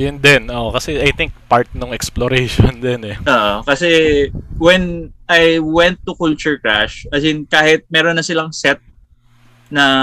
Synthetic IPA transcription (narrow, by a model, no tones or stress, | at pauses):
jʊnd̪ɛnʔokɐsɛajt̪ɪŋk̚paɹt̪̚noŋɛksploɾejʃond̪ɛnɛʔoːʔokɐsɛwɛnajwɛnt̪ːʊkult͡ʃʊɹkɹa̰ʃʔɐsɪnkaːhɪt̪̚mɛːɾonːɐsɪlɐŋsɛt̪̚ | nɐ